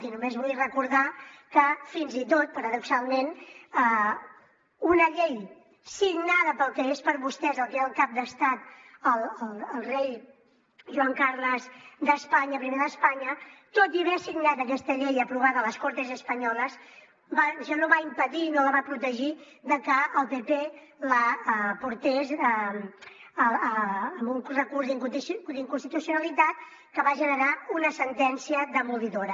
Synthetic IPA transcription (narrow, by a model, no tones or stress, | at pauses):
inumezβujrəkuɾðakəfinzit̪ot̪̚pəɾəðuksalˠmenə | unəʎej | siɡnaðəpəlˠkɛespəɾβust̪ɛzəlˠkeəlˠkap̚d̪əst̪at̪əlˠəlˠəlˠrej | ʒuwaŋkaɾləzd̪əspaɲəpɾimeðəspaɲət̪ot̪iβesiɡnat̪əkɛst̪əʎejəpɾuβ̞aðələskoɾt̪əzəspəɲɔləs | baʒanoβaimpəðinoləβapɾut̪əʒi | ðəkəəlˠpepe | ləpuɾt̪esə | mbuŋrəkuɾzd̪iŋd̪iŋkunst̪it̪usiunəlit̪at̪ | kəβaʒənəɾaunəsənt̪ɛnsiəðəmuliðoɾə